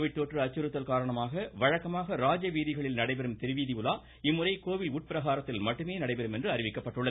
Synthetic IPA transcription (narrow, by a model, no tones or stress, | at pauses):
ʋɪʈt̪oːʈrɯɐt͡ʃːɯɾɯt̪ːɐlkaːɾɐɳɐmaːɣɐʋɐɻɐkːɐmaːɣɐɾaːd͡ʒɐʋiːðɪɣɐɭɪlnɐɽɐɪpɛɾɯmt̪ɪɾɯʋiːðɪjʊlaː | ɪmːʊrɐɪkoːʋɪluʈ̚pɪɾɐɣaːɾɐt̪ːɪlmɐʈːɯmeːnɐɽɐɪpɛɾɯmɛndrɯɐɾɪʋɪkːɐpːɐʈːɯɭːɐð